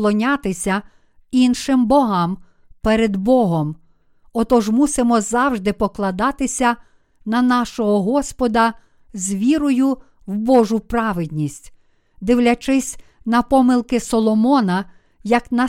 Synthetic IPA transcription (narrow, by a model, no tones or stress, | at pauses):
lˠɔnʲat̪ɪsʲɐ | inʃɪmbɔɦɑm | pɛɾed̪bɔɦɔm | ɔt̪ɔʒmusɪmɔzɑwʒd̪ɪpɔklˠɐd̪ɑt̪ɪsʲɐ | nɐnɑʃɔɦɔɦɔspɔd̪ɐ | zʲʋʲiɾɔjʊ | wbɔʒʊpɾɑʋɪd̪̚ʲnʲisʲtʲ | d̪ɪwlʲɐt͡ʃɪsʲ | nɐpɔmɪlˠkɪsɔlˠɔmɔnɐ | jɐknɐ